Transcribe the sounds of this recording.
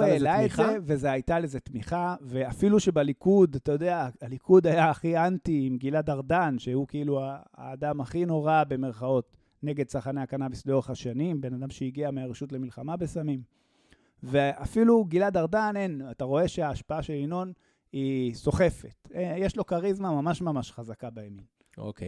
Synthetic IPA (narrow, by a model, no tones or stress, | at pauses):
elaezeve̞zeajt̪alezet̪miχave̞afiluʃebalikud̪atajo̞deaalikʰud̪ajaːχiantiimɡiladaʁdanʃeukeiluaa̰ːdamaχino̞ʁabe̞me̞ʁχao̞t | ne̞ɡe̞d̪̚saχaneakanavisleo̞ʁeχhaʃanimbe̞nad̪amʃeiɡiameaʁeʃutle̞milχamabe̞samim | veafiluɡiladaʁdane̞nataʁo̞e̞ʃe̞aːʃpaaʃe̞lino̞n | iso̞χe̞fe̞̰t̪ejeʃlo̞kaʁizmamamaʃmamaʃχazakabajamin | o̰ke